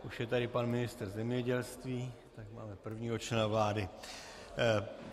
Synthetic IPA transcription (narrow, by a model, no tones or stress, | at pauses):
ʔuʃjɛt̪adɪpanmɪnɪst̪r̩zɛmɲɛɟɛlst̪viː | t̪akmaːmɛpr̩vɲiːɦot͡ʃlɛnavlaːdɪ